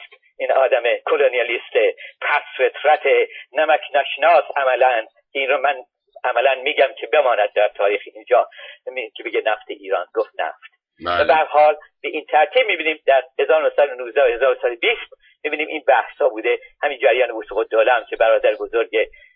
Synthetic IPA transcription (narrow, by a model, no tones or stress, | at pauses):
st | ʔiːnɒːd̪æmekʰolonijɒliːst̪ep̪ʰæsfe̞t̪ʰɾæt̪ʰenæmækʰnæʃnɒːsæmælæn | kʰeiːnromæn | ʔæmælænmiːɟæmcʰe̞be̞mɒːnæd̪̚d̪æɾt̪ʰɒːɾiːxeind͡ʒɒːmicʰebe̞ɟenæft̪ʰeʔiːɾɒːnɡoft̪næ̰ft̪̚ | væbæɾhɒːl | b̥eʔint̪ʰæɾt̪ʰiːb̚miːbiːniːmd̪æɾhe̞zɒːɾonohsæd̪onuːzd̪ææhe̞zɒːɾoosæd̪obiːst̪ | mibiːniːmʔḭnbæhshɒːbuːd̪e̞hæmind͡ʒæɾjɒːnebusuːɣod̪oːlæmkʲʰe̞bæɾɒːd̪æɾebo̞zoɾɟe